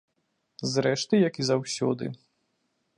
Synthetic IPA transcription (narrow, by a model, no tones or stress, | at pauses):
zɾɛʂt̪ɨjɐkizawsʲɔ̰d̪ɨ̰